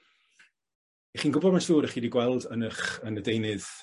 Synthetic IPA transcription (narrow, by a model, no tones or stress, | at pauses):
eχiːnɡʊbɔdmansuːɾəχiːdiɡwɛlˠdənəχənədejnɨð̥